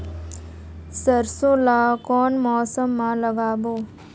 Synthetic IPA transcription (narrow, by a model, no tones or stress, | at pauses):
səɾsõːlaːkɔːnmɔːsəmːãləɡaːboː